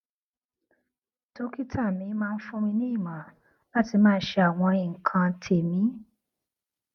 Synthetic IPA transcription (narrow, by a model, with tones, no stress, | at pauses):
to˦ki˦tʰa˦˨mĩ˨˧˦mãː˦˧n̩˦fũ˦mĩ˧nĩ˦i˦˨mã˨˦ | la˦ti˧mãː˦˧n̩˦ʃe˧a˨w̃ɔ̃˧i˨ŋ̩˨kʰã˧tʰe˨mĩ˨˦